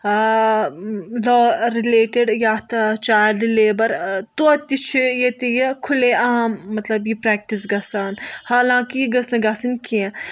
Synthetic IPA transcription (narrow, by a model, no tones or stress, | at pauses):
lɔːɾileːʈeɖjaːt̪ʰt͡ʃaːɖleːbɐɾt̪uɐt̪it͡ʃʰijet̪ijɐkʰʊleaːmːɐt̪lɐbjipɾɛːk̚ʈisɡɐsaːnhaːlãːkiiɡɐsnɐ̃ɡasɐnkiẽ